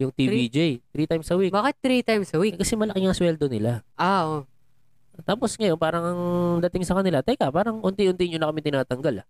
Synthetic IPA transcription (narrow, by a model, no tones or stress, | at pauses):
jʊŋt̪ibid͡ʒejt̪ɾiːt̪ajmsɐwikbaːkɪt̪̚ːɾit̪ajmsɐwikɐsɛmɐlɐkɪŋɐswɛld̪o̞nɪlaʔaʔo | t̪aːposŋɐjo̞npaːɾɐŋɐŋd̪ɐt̪ɪŋsɐkɐnɪlat̪ɐjkɐpaːɾɐŋʔʊnt̪iʔʊnt̪ɪɲonɐkɐmɪt̪ɪnaːt̪ɐŋɡala